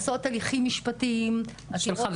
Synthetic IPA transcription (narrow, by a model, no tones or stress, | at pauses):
sot̪ːaliχimːiʃpatim | aʃelχav